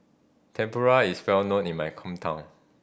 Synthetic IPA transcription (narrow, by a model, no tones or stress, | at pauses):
tʰɛ̃mpɔɹaiswɛlnõnĩnmajkʰɔ̃mtʰãʊ̃n